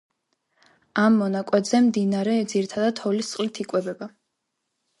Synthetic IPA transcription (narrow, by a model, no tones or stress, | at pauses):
amːɔnakʼwɛt̪zɛmd̪inaɾɛd̪ziɾit̪ʰad̪ad̪ʰhɔlist̪sqʼlit̪ʰikʼwɛbɛba